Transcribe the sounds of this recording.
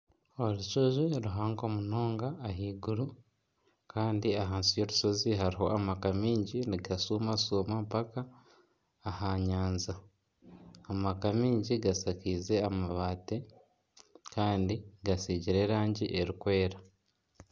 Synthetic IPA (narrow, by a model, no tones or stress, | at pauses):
o̞ɾuʃoʒoɾuɦaːŋɡo̞muno̞ːŋɡaːɦiːɡuɾu | kaːndiaɦaːnsijo̞ɾu̥so̞ziɦaɾiɦo̞ʔamakamiːɲɟiniɡasuːmasuːmampakaː | haɲaːnzaː | makamiːɲɟiɡasakiːze̞amaβaːte | kaːndiɡasiːɟiɾe̞ːɾaːɲɟiʔe̞ɾikwe̞ːɾa